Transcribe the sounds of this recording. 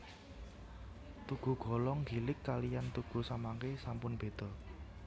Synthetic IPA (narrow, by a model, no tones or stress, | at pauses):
t̪uɡ̥ṳɡ̥ɔ̤lɔŋɡi̤lɪkːalijant̪uɡ̥ṳsamaŋkesampʊnb̥e̤d̪̥ɔ̤